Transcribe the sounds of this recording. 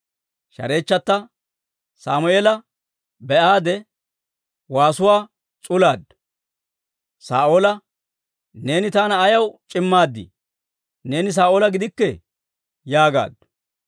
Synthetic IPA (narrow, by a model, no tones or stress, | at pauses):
ʃɐ̰ɾe̞ːt͡ʃːɐt̪ːɐ | saːmʊeːlɐ | bɛʔaːd̪ɛ | waːsʊwaː | t͡sʼʊlaːd̪ | sa̰ːʔoːlɐ | ne̞ːnɪt̪aːnɐːjɐwt͡ʃʼɪmːaːd̪ːɪ̰ | ne̞ːnɪs̬aːʔoːlɐɡɪd̪ɪkːɛ | jaːɡa̰ːd̪ː